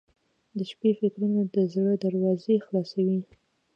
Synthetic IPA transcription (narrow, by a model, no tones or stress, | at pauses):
d̪əʃpefɪkɾunod̪əzɽəd̪əɾwɑzexlɑsawi